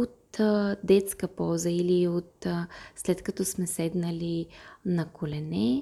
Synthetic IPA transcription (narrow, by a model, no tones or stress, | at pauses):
ot̪d̪ɛt̪skəpɔzəiliot̪slɛt̪kɐt̪ɔsmɛsɛd̪nəlinɐkolɛnɛ